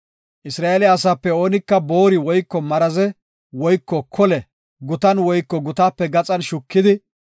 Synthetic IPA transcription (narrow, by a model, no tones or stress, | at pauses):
ʔɪsɾaːʔelɛɐsaːpːɛo̞ːnɪkːɐbo̞ːɾɪwɔjkːɔmɐɾɐzɛ | wɔjkːɔkʰɔlɛ | ɡʊt̪ɐnwɔjkːɔɡʊt̪aːpːɛɡɐt͡sʼɐnʃʊkːɪd̪ɪ